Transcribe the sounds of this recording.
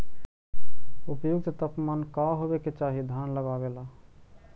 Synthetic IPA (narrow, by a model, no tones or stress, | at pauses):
upjuɡset̪əpmankaɦobeket͡ʃaɦid̪ʱjanləɡabela